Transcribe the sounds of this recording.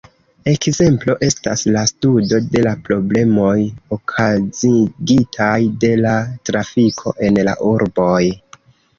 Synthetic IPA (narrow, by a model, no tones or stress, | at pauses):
e̞kze̞mplo̞ʔe̞sta̰slastudo̞de̞lapɾo̞ble̞mo̞jokʰaziɡitʰajde̞latɾafikʰo̞̰ʔe̞nla̰ʔuɾbo̞j